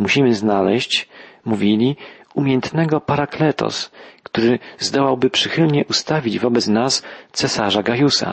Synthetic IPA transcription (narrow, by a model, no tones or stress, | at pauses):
muɕimɘznalɛɕt͡ɕmuvʲilʲiumʲjɛnt̪nɛɡɔpaɾaklɛt̪ɔ̰skt̪uɾɘzd̪ɔwawbɘpʂɘxɘlɲɛʔust̪avʲid͡ʑvɔbɛt̪snast̪sɛsaʐaɡajusa̰